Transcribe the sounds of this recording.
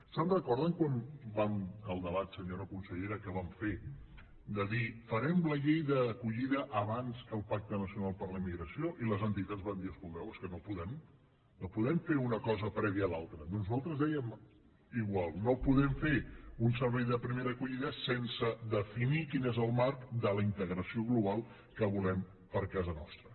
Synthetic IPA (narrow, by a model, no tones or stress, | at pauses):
sənrəkɔɾðəŋkwanbaməlˠd̪əβat̪səɲoɾəkunsəʎeɾəkəβamfe | d̪əðifəɾɛmləʎejðəːkuʎiðəʔəβanzəlˠpak̚t̪ənəsiunalˠpəɾləimiɣɾəsioʔiləzənt̪it̪ad͡zzβand̪iəskuld̪ɛwəskənopuðɛm | nopuðɛmfeunəkɔzəpɾɛβiəːlalˠt̪ɾənonuznualˠt̪ɾəzðɛjəm | iɣwalˠnopuðɛmfeunsəɾβɛjðəpɾimeɾəːkuʎiðəsensəðəfinikinezəlˠmaɾkd̪ələint̪əɣɾəsioɣluβ̞alˠ | kəβulɛm | pəɾkazənɔ̰st̪ɾə